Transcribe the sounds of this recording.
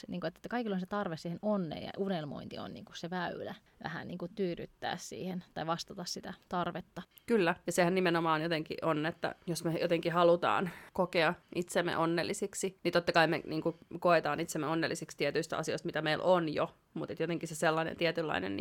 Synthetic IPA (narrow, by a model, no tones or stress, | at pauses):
niːŋkoet̪ːet̪ːkɑikilːoinset̪ɑrʋesiːhenonːḛːjɑ̰unelmo̰int̪ḭo̰nnḭːŋkusseʋæylæ | ʋæ̰hæ̰nniːŋkut̪yːɾy̰t̪ːæ̰ːssḭːhent̪ɑiʋɑst̪ɑt̪ɑssit̪æt̪ɑrʋet̪ːɑ | kylːæjɑsehænnimenomɑːnjot̪eŋkḭʔonːet̪ːæ̰josmejot̪eŋkihɑlut̪ɑ̰ːnkokeɑʔit̪semːḛʔonːelːisiksinit̪ot̪ːɑkɑimḛniːŋkukoet̪ɑːnit̪semːeonːelːisikst̪iɛt̪yist̪ɑ̰sioist̪mit̪æmeilʔonjo | mut̪et̪jot̪eŋkiseselːɑnḛnt̪iɛt̪ylːɑ̰inḛn